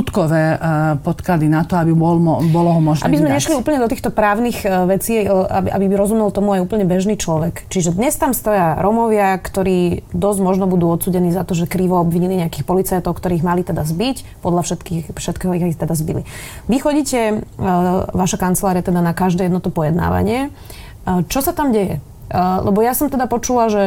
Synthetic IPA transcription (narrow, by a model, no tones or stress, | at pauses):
ut̪kɔʋɛːpɔt̪klad̪inat̪ɔabibɔlɔbɔlɔɦɔmɔʒnʔaɛbizmɛɲɛʃliuːpl̩ɲɛd̪ɔt̪iːxt̪ɔpɾaːʊniːxʋɛt͡siːabiʔa̰bibɾɔzumɛlt̪ɔmuajuːpl̩ɲɛbɛʒniːt͡ʃlɔʋɛkt͡ʃiʒɛd̪ɲɛst̪amst̪ɔjaɾʔɔmɔʋɪakt̪ɔɾiːd̪ɔzɟmɔʒnɔbud̪uːɔt̪suːɟɛniːzat̪ɔʒɛkɾiʋɔɔbʋiɲiliɲɛakiːxpɔlit͡sajt̪ɔʊkt̪ɔɾiːiɣmalit̪ɛd̪azbic | pɔd̪lafʃɛt̪kiːxfʃɛt̪kɛːɦɔiat̪ɛd̪azbilḭ | ʋixɔɟiːcɛ | ʋaʃakant͡sɛlaːɾiat̪ɛd̪anakaʒd̪ɛjɛd̪nɔt̪ɔpɔjɛd̪na̰ːʋa̰ɲɪɛ | t͡ʃɔsat̪amɟɛjɛ̰ | lʔɛ̰bɔjasɔmt̪ɛd̪apɔt͡ʃulaʒɛ